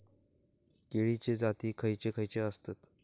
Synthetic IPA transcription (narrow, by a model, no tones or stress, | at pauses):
keɭit͡ɕed͡zat̪iːkʰəjt͡ɕekʰəjt͡ɕeəst̪ət̪